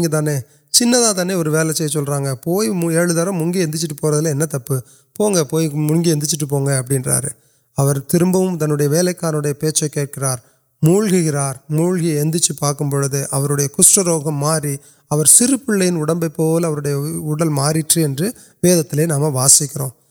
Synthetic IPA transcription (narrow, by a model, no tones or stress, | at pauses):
ŋɡɐt̪̬aːneː | t͡ʃɪnːɐðãːt̪̬aːneːɔɾɯʋeːlɐt͡ʃːɐjsɔlɾaːŋɡɐpoːjɛɻɯðaɾɐ̃mʊŋɡiɛnd̪ɯt͡ʃːɯʈːɯpoːɾɐðɯlɐɛnːɐt̪ɐpːɯ | poːŋɡɐpoːjmʊŋɡiɛnd̪ɪt͡ʃːɯʈ̬ːɯp̬oːŋɡɐːp̬ːɐɽɪnra̰ːɾɯ | ɐʋɐɾt̪ɪɾɯmbɐʋɯmt̪ɐnːɯɽɐjɐʋeːlɐɪkːaːnɯɽɐjɐpeːt͡ʃːɐkeːʈ̚kɪɾaːɾ | muːɭɣɪɣɪɾaːɾmuːɭɣiɛnd̪ɯt͡ʃːɯpaːɾkɯmpɔːɻɯðɯʔɐʋɐɾɯɽɐjɐkʊsɾɐɾoːɣɐmːaːɾi | ɐʋɐɾsɪɾɯpːɪɭːɐjɪnʊɽɐmbɐɪpːoːlɐʋɐɾɯɽɐjɐʊɽɐlmaːɾɪʈrɯɛndrɯ | ʋeːðɐt̪ːɪleːnaːmɐʋaːsɪkːɪɾõ̰ː